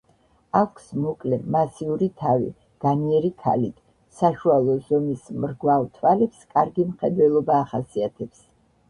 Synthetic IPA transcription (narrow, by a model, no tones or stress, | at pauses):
akʰsmɔkʼlɛmasiuɾit̪ʰavḭ | ɡ̥aniɛɾikʰa̰lit̪ʰ | saʃualˠɔzɔmismɾɡwalt̪ʰwalɛpskʼaɾɡimχɛd̪wɛlˠɔbaːχasiat̪ʰɛps